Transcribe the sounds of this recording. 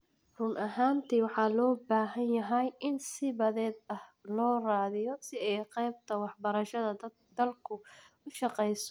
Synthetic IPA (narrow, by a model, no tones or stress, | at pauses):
rʊmʔɐɦaːnt̪ʰiːwɑħɑːlɔːbaːɦɐnjɐɦɛjʔɪnsɪβɐðɛːd̪ɐhlɔːraːðɪjɔsɪɛjqɛjb̚t̪ʰɐwɑħbɐɾɐʃɐðɐ | d̪̥ɐlkʰʊ | ʊʃɑqɛjsɔ